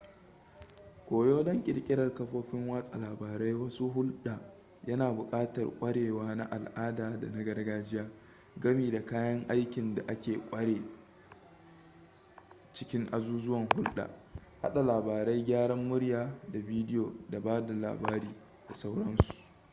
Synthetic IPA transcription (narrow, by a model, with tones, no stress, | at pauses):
kʷoː˨joː˦dɐ˦ŋkʲʼɪ˨ɾkʲʼɪ˦ɽɐ˨rkɐ˦ɸoː˦ɸɪ˦ŋwa˦sʼa˨laː˨baː˨ɾa˦jwɐ˦su˦ɦʊ˦lɗaː˨ | jɐ˦naː˨bʊ˨kʼaː˦tɐ̰˨rkʷʼɐ˦ɽeː˨waː˦na˦ʔa˨lʔaː˦daː˨da̰˨na˦ɡɐ˦rɡaː˦d͡ʒɪ˦jaː˦ | ɡɐ˦miː˨da˨kaː˦jɐ˦ŋʔa˦jkʲɪ˨nda˨ʔa˦kʲeː˨kʷʼɐ˦ɽeː˨ | t͡ʃɪ˦kʲɪ˦ŋʔa˦zuː˦zʊ˦wɐ˨ŋhʊ˦lɗa̰ː˨ha̰˦ɗa˨laː˨baː˨ɾa˦jɡʲaː˦ɽɐ˦mːʊ˦ɽjaː˦da˨biː˦dɪ˦joː˨da˨baː˦da˨la̰ː˨baː˦ɾiː˦ | da˨sa˦wɽɐ˦nsu̥˨ʔ